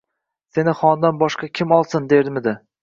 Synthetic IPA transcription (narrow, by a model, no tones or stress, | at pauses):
se̞nɪχɒnd̪anbɒʃqɑkʲʰɪmɒlˠsɪnd̪eɾd̪ɪmɪd̪ɪ